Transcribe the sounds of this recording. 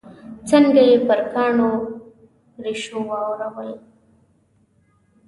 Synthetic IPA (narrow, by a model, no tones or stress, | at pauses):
t͡saŋɡajepəɾkɑːɳo | ɾiʃowɑwɾawəl